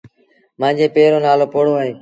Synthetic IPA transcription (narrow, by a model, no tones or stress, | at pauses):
mãːɲd͡ʑeːpeːɾoːnaːloːpoːɽoːaːɦeː